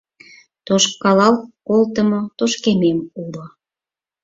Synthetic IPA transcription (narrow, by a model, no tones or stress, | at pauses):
t̪oʃkːɑlɑlkolt̪ə̆mot̪oʃkememulo